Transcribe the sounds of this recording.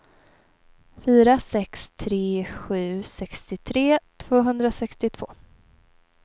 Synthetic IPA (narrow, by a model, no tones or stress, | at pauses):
fyːɾasɛkst̪ʰɾeːɧʉ̟ːsɛkst̪ɪt̪ʰɾeːt̪ʰv̥oːɦɵnd̪ɾasɛkst̪ɪt̪ʰv̥o̰ː